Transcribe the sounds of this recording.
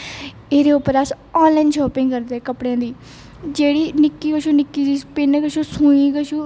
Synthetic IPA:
eːɾeːʊpːəɾəs | ɔ̃ːnlaɪnʃɔːpɪ̃ŋɡkəɾd̪eɛːkəpɽejãːd̪iː | d͡ʒeːɽiːnɪkːiːkəʃuːnɪkːiːd͡ʒiːpeːnẽkəʃuːsũːiːkəʃuː

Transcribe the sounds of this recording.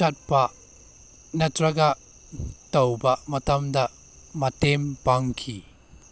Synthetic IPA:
ɐt̚paʔ | nɐtɾɐɡaʔ | t̪ɐwbaʔmɐt̪ɐmd̪aʔ | mɐt̪ɛmpaŋkʰi

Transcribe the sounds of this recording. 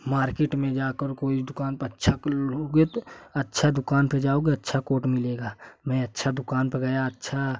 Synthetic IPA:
maːɾkeʈmẽd͡ʒaːkəɾkoːid̪ʊkaːnpətːʃʰakoɡet̪oətːʃʰad̪ʊkaːnped͡ʒaːoɡeətːʃʰakoːʈmɪleːɡaːmɛ̃ətːʃʰad̪ʊkaːnpəɡəjatːʃʰa

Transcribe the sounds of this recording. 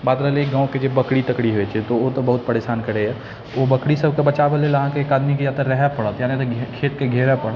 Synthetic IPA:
baːt̪ɾəɦleiɡãːõked͡ʒebəkɽit̪əkɽiɦoɛt͡ʃʰɛt̪oot̪əbəɦʊt̪̚pəɾeːsaːnkəɽeɛ | obəkɽisəbʱkebət͡ʃabeleːləɦãkeːkaːd̪mikijat̪əɾɛɦɛpəɽət̪janet̪kʰeːt̪keɡʱeɾɛpəɽ

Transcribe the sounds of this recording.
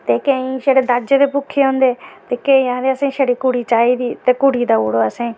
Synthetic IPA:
t̪ekeĩʃəɽed̪ad͡ʒt̪epʊkʰːeɦõːnd̪eːt̪ekẽĩãːd̪eɐsãʃɐɽikʊɽit͡ʃaːid̪iːt̪ekʊɽ̤id̪auːɽoəsẽː

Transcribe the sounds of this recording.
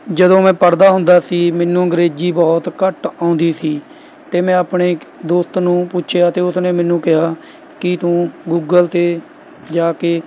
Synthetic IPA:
d͡ʒəd̪õːmɛ̃ːpəɾd̪aːɦʊnd̪aːsiːmɛːnːũːəŋɡəɾeːd͡ʒiːbɔːt̪kəʈãːʊnd̪iːsiː | t̪eːmɛ̃ːaːpɳeːd̪oːst̪nũːpʊt͡ʃʰjaːt̪eːʊsneːmɛːnũːkɪɦaː | kɪt̪ũːɡuːɡəlt̪eː | d͡ʒaːkeː

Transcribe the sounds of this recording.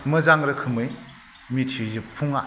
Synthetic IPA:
mɯzaŋɾɐkʰɯmɯj | mitʰizɯpʰuŋa

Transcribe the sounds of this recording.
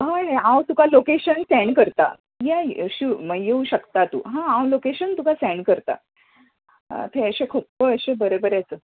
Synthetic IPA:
ɦãɦeãwt̪ukalokeɕənsɛɳɖkəɾt̪a̰ | jaɕuməjeuɕəkt̪at̪ṵːɦãawlokeɕənt̪ukasɛɳɖkəɾt̪a̰ | t̪ʰeəɕekʰuːpːəəɕebəɾebəɾeət͡sə

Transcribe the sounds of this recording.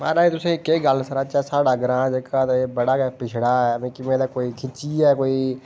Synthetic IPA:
ma̰ːɾaːĩt̪ʊsẽːkeːɡəlsəɾaːt͡ʃaːsaːɽaːɡəɾãːd͡ʒekːaːt̪ːeːbəɽaːkɛpɪt͡ʃʰɽaːɛːmẽːkɪmẽːd̪aːkoːiːkʰɪt͡ʃiːɛːkoːiː

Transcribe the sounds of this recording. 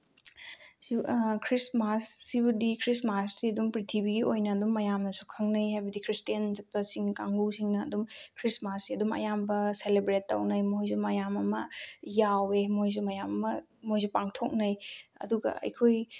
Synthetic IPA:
sikʰɾismasːibudikʰɾismasːiɐdumpɾitʰibiɡiojnɐːdumːɐjamnɐsukʰɐŋnɐjɦajbɐdikʰɾistijɐnzɐt̚pɐsiŋkaŋɡusiŋnɐːdumkʰɾismasːiɐdumɐ̰jambɐselebɾetːɐ̰wnɐjmojzumɐjamɐmɐjawemojzumɐjamɐmɐ | mojzupaŋtʰok̚nɐjɐ̰duɡɐ̰ɐ̰jkʰoj

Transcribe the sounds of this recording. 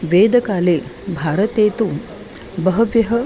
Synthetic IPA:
ʋeːd̪əkaːlebʱaɾət̪et̪uː | bəɦəʋjəɦə

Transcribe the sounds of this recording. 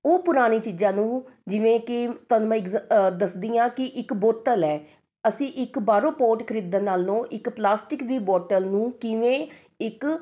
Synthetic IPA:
oːpʊɾaːñiːt͡ʃiːd͡ʒãːnũːd͡ʒɪʋẽːkɪt̪ənmə̃ɪɡd̪əsd̪iːãːkɪʔɪkboːt̪əlɛː | əsĩːʔɪkbaːɾõːpoːʈkʰəɾiːd̪ənaːlnõːʔɪkplaːsʈɪkd̪iːbɔːʈəlnũːkɪʋẽː | ɪk

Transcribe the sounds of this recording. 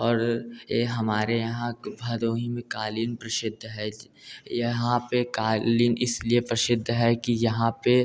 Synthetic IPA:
ɔːɾɦɐmaːɾejɐɦãbʱɐd̪oːɦĩmẽkaːliːnpɾɐsɪd̪ʱːɦɛ | jɐɦãpekaːliːnɪsliepɾɐʃɪd̪ʱːəɦɛkijɐɦãpe

